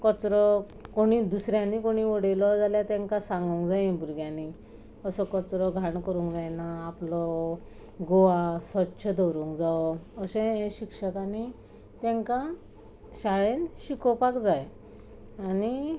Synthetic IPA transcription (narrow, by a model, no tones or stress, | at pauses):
kɔt͡sɾɔ | koɽ̃id̪usɾjãnikoɽ̃iʋɔɽelɔd͡zaljat̪ẽŋkasãŋɡũŋkd͡zajẽbʱuɾɡjani | əsɔkɔt͡sɾɔɡʱaɳkəɾũŋkd͡zajnaːplɔ | ɡoʋasʋətːɕʰəd̪ɔwɾũŋkd͡zaɔəsɛ̃ẽɕikʂəkani | t̪ẽŋka | ɕaɭenɕikɔpakd͡zaj | ani